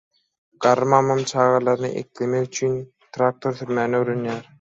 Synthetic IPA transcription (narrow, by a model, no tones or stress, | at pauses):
ɢ̥ɑɾɯmɑmːɑmt͡ʃʰɑːʁɑlˠɑɾnɯ̰ʔe̞̰klemeɣyt͡ʃʰyn | t̪ʰɾaːk̚t̪ʰo̞ɾθyɾmæːnøɾønjæːɾ